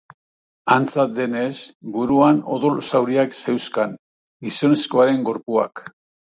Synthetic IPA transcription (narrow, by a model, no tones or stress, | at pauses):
ant͡sat̪̚d̪e̞ne̞sbuɾuano̞ðo̞lsawɾiakse̞wskan | ɡiso̞ne̞sko̞aɾe̞ŋɡo̞ɾpua̰k